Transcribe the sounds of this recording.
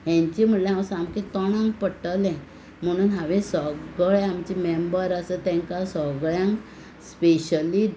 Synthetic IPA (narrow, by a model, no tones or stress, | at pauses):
ɦjãɲt͡ɕim̤əʈleɦãwsamket̪ɔɽ̃ãŋkpəʈəlɛ̃ | m̤əɽ̃uːnɦaʋẽsɔɡəɭamt͡ɕimembəɾəsət̪ɛ̃ŋkasɔɡɭjãŋk | speɕəli